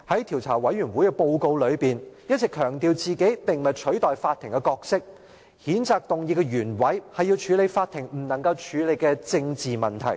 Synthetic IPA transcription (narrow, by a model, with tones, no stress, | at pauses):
hɐ˨˥jt̪ʰiː˨˩wt͡sʰa̰ː˨˩wɐ˨˥jɥyː˨˩nwuː˨˥jkɛ˧po˧wko˧wlɵ˨˧ɥpiː˨njɐ˥t̚t͡sɛː˨kʰœː˨˩ŋt̪iː˨˧wt͡siː˨ke˨˥jt̪ɪ˨ŋmɐ˨tt͡ʃʰɵ˨˥ɥt̪ɔː˨jfaː˧t̪ʰːɪ˨˩ŋkɛ˧kɔː˧k̚sɪ˥k̚ | hiː˨˥nt͡saː˧k̚t̪ʊ˨ŋjiː˧kɛ˧ɥyː˨˩nwɐ˨˥jhɐ˨jːi˧wt͡ʃʰyː˨˧le˨˧jfaː˧t̪ʰɪ˨˩ŋm̩˨˩nɐ˨˩ŋkɐ˧wt͡ʃʰyː˨˧le˨˧jkɛː˧t͡sɪ˧ŋt͡siː˨mɐ˨˩nt̪ʰɐ̰˨˩j